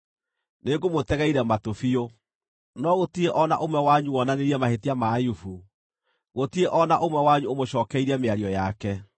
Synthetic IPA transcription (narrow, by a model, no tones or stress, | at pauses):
neɡomotɛɣɛiɾɛmatofio | nɔɣotieʔɔnaʔomwɛwaɲuɔnaneɾiɛmahetiamaːjufu | ɣotieʔɔnaʔomwɛwaɲuomoɕɔːkɛiɾɛmeaɾiɔjakɛ